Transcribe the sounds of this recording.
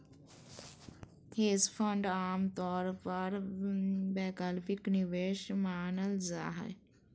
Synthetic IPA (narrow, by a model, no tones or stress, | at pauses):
t̪ʰeːzpʰə̃ɳɖaːmt̪ɔːɾpəɾ | bɛːkaːlpɪknɪʋeːʃmaːnəlza̰ːɦə̰